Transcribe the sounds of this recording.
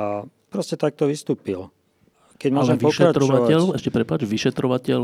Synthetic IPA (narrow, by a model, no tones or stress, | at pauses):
a | pɾɔscɛt̪ak̚t̪ɔʋist̪uːpil | kɛɟmɔʒɛmʋɔʃkɛɾaɾɔʋaɛʎɛʃcɛpɾɛpad͡ʒʋiʃɛt̪ɾɔʋacɛl